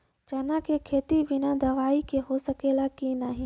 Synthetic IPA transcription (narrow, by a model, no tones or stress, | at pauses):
d͡ʒɐnakekʰeːt̪ibɪnad̪ɐʋaːikeɦosəkeːlakinaɦĩː